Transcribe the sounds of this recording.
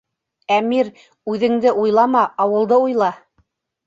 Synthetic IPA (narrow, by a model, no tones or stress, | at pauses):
æmiɾ | ʉðɘ̆ŋd̪ɘʔujlˠɑmɑɑwɤ̆lˠd̪ɤujlˠɑ